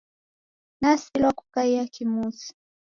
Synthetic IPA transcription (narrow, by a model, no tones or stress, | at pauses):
nasilwakukaiakimusi̥